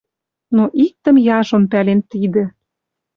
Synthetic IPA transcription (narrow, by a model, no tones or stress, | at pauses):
noʔik̚t̪ə̆mjɑʒŏmpælent̪id̪ĕ